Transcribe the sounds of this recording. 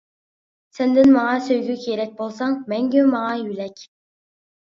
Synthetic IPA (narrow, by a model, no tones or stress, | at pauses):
sɛnd̪ɪnmɑŋɑsøjɡʲykʲʰeɾɛk̚ʲbolˠsɑŋmɛŋɡʲemɑŋɑjylɛkʲ